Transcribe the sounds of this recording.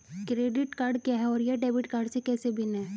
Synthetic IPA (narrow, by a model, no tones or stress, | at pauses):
kɾeːɖɪʈkaːɾɖkjaɦɛɔːɾjeɖeːbɪʈkaːɾɖsekɛːsebʱinɛ̃